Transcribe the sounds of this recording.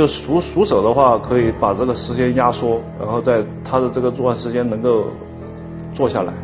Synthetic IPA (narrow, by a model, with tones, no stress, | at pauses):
o˥˩ʊʂu˧˥ʂu˧˥ʂɤ˨˩ʊd̪ə˦xwa˥˩kʰɤ˧˥i˧˥pa˨˩ʈ͡ʂɤ˥˩ɡə˩ʂɻ̩˧˥t͡ɕjɛ˥nja˥ʂwɔ˥ɻa̰˧˥nxo˥˧ʊt͡sa˥˧ɪt̪ʰa˥d̪ə˨ʈ͡ʂɤ˥˩ɡə˩t͡swɔ˥˧wa˥˩nʂɻ̩˧˥t͡ɕjɛ˥nɤ˧˥ŋko˥˧ʊ | t͡swɔ˥˧ɕja̰˥˩la̰˧˥ɪ